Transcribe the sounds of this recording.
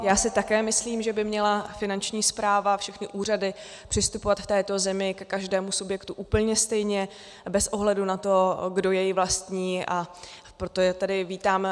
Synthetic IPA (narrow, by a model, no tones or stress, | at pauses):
jaːsɪt̪akɛːmɪsliːmʒɛbɪmɲɛlafɪnant͡ʃɲiːspɾaːvafʃɛxnɪʔuːr̝adɪ | pr̝̥ɪst̪upo̞vat̪ft̪ɛːt̪o̞zɛmɪkɛkaʒdɛːmusubjɛkt̪uʔuːpl̩ɲɛst̪ɛjɲɛ | bɛsʔo̞ɦlɛdunat̪o̞ɡdo̞jɛjɪvlast̪ɲiːʔa | pɾo̞t̪oɛt̪adɪviːt̪aːm